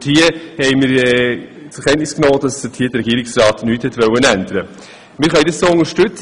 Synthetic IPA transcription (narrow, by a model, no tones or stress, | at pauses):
hiːəhɛɪmɪɾɛ | t͡sʊkʰɛnnɪsknoːd̥ɑsd̥əthiːdərɛɡiːɾɪksɾrɑːtnyːthɛtʋœwənændəɾə | mɪːɾχœʏdessoːʊŋəʃtʉt͡s